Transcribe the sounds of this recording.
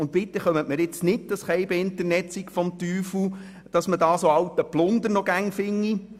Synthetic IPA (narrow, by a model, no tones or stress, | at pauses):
ʊntvɪt̪ːəχœmətmɪɾɪt͡snɪt̚d̥ɑsχɛɪbeɪntəɾnɛtsikfɔmt̪yːfu | d̥ɑsmədɑːsoɑwtəplʊnd̪əɾnɔɡæŋfɪŋːi